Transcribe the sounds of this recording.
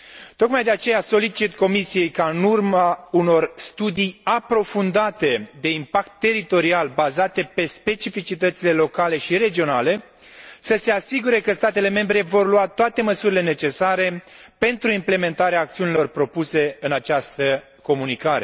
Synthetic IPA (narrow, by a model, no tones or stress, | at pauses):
t̪o̞kmajd̪e̞at͡ʃe̞jaso̞lit͡ʃit̪ko̞misije̞jkaɨnurmauno̞rst̪ud̪ijapɾo̞fund̪at̪e̞d̪e̞impakt̪ːe̞ɾit̪o̞ɾialbazat̪e̞pe̞spe̞t͡ʃifit͡ʃit̪ət̪sile̞lo̞kale̞ʃiɾe̞d͡ʒio̞nale̞ | səse̞asiɡuɾe̞kəst̪at̪e̞le̞me̞mbɾe̞vo̞rluat̪oat̪e̞məsuɾile̞ne̞t͡ʃe̞saɾe̞ | pe̞nt̪ɾuimple̞me̞nt̪aɾeaːk̚t̪siunilo̞rpɾo̞puse̞ɨnat͡ʃast̪ə | ko̞munikaɾe̞̰